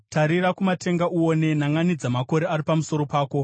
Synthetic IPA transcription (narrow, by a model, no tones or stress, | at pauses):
taɾiɾakumate̞ŋɡaʔuwo̞ne̞naŋanid͡zamako̞ɾe̞aɾipamuso̞ɾo̞paːko̞